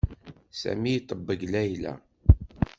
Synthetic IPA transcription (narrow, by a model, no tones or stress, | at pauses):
sæ̰mijt̪ˤːəbːəɡlæjlæ̰